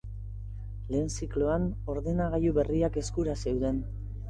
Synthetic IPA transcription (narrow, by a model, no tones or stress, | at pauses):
le̞ːnsikloano̞ɾðe̞naɣajuβe̞riake̞skuɾase̞wðe̞n